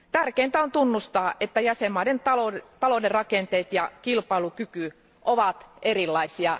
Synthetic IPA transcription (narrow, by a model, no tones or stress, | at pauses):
t̪ærkeːnt̪æo̞nt̪unːust̪ɑːʔet̪ːæjæsemːɑidenɑt̪ɑloderɑkent̪eːt̪jɑkilpɑilukyky | ʔoʋɑt̪ʔeɾilːɑisiɑ